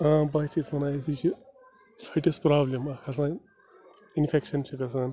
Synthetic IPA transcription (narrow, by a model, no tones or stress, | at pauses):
abɐt͡ʃʰit͡smɐnaːsit͡ʃʰi | ɐʈespɾaːblemɐkʰɐs̬ãːn | inpʰekʃɐnt͡ʃʰikɐs̬aːn